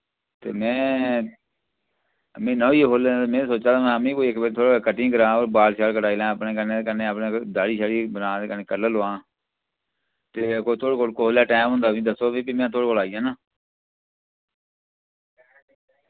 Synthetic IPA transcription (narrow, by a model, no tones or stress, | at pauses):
t̪ḛːmɛ̃ː | mẽːnɔ̃ːiːɦoːlmẽːsoːt͡ʃaːt̪aːmɛ̃əmẽːkoːikːbeːɾt̪ʰoːɽekəʈːĩːkəɾãːoːɾbaːlʃaːlkəʈaːiːlãːəpnẽːkəneːekəneːəpneːd̪aːɽiːʃaːɽiːbənãːd̪eːkəneːkəɾləloːãː | t̪eːkoːt̪ʰoːɽekoːlkooːlaːʈɛːmɦʊ̃nd̪aːʋĩːd̪əsoːbiːbiːmɛ̃ːt̪ʰoːɽkoːlaːiːjãːnaː